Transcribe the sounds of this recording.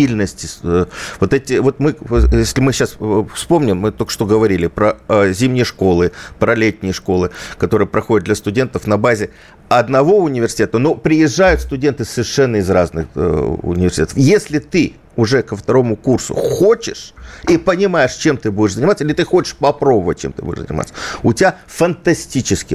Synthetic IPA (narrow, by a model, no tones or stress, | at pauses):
ilʲnəsʲtʲɪvot̪ɛtʲɪvo̞t̪mɨjesʲlʲɪmɨɕːasfspo̞mnʲɪmːɨt̪olʲkəʂt̪oɡəvɐɾʲilʲɪpɾəzʲimnʲɪjəʂko̞lˠɨpɾɐlʲetʲnʲɪjəʂko̞lˠɨkɐt̪o̞ɾɨjəpɾɐxo̞dʲɪt̪̚d̪lʲɐst̪ʊdʲe̞nt̪əfnɐbazʲɪ | ɐd̪nɐvo̞ʊnʲɪvʲɪrsʲɪ̥tʲet̪əno̞pɾʲɪjɪʐːajʊt̪st̪ʊdʲe̞nt̪ɨsəvʲɪrʂɛnːəɪzraznɨxʊ̰nʲɪvʲɪrsʲtʲet̪əfjesʲlʲɪt̪ɨ | ʊʐɛkəft̪ɐɾo̞mʊkursʊ̰xot͡ɕɪʂipənʲɪmajɪʂt͡ɕe̞mt̪ɨbudʲɪʂzənʲɪmat̪səilʲɪt̪ɨxo̞t͡ɕɪ̥ʂpɐpɾo̞bəvə̰t̚ʲt͡ɕḛmt̪ɨ̰bṵdʲɪʂzə̰nʲɪ̰ma̰t̪səʊtʲɪbʲa | fənt̪ɐsʲtʲit͡ɕɪskʲɪ